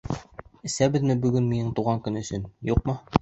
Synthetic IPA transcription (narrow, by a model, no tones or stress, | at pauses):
ɘ̆sæbɘðmɘbɵ̆ɡɵnminɘɴt̪uʁɑŋkɵnɵ̆sɵnjuqmɤ